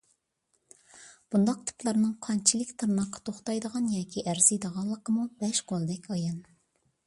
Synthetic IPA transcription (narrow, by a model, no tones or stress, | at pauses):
b̥und̪ɑq̚t̪ʰɨ̥plˠɑɾnɨŋqʰɑnt͡ʃʰilˠɪkʲt̪ʰɨɾnɑqʰːɑ̥t̪ʰoχt̪ɑjd̪əʁɑnjɑːkʲʰiʔæɾziɨd̪əʁɑlˠːəqəmubɛʃqolˠd̪ɛkʲʰɑjɑn